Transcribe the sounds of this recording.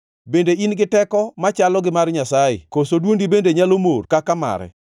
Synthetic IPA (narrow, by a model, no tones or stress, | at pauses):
bendeinɡɪtɛkɔmat͡ʃalɔɡɪmarɲasajḛkosodwondibendeɲalomorkakama̰ɾɛ̰